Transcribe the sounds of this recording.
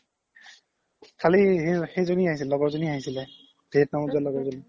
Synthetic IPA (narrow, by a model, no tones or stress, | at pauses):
kʰalixejzoniaɦis̬ilɛlɔɡɔɹzoniaɦisilɛ | detnamuzallɔɡɔɹzoni